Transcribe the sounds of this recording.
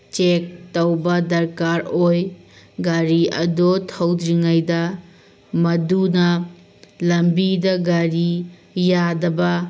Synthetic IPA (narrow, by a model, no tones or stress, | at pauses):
t͡ʃek̚tɐwbɐdɐɾkaɾoj | ɡaɾiɐ̰dotʰɐwdɾiŋajdɐ | mɐdunɐ | lɐmbidɐɡaɾi | jadɐbɐ